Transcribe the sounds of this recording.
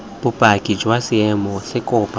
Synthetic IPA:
b̥ʊpʼakʼid͡ʒwasɪɛmɔsɪkʼʊːpʼa

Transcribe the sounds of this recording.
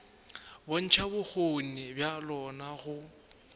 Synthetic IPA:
bon̩t͡ʃʰabʊk͡xʰonɪbjalɔnaɣʊ

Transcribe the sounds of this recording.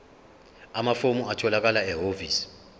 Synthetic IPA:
amafomuatʰɔlak̬alaɛɦoviːsi̥

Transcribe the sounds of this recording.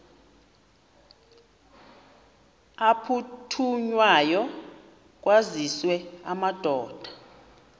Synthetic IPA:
apʰutʰuɲwajɔ | k̬ʼwaziswɛamad̥ʱɔːd̥ʱḁ

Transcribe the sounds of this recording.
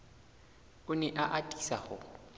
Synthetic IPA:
ʊnɛʔaʔatʼi̥sahʊ

